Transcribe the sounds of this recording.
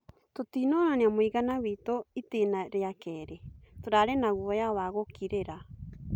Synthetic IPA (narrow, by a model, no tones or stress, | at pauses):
totiːnɔnaneamoiɣanawitoitenaɾeakɛːɾetoɾaɾɛnaɣwɔjawaɣokiɾeɾa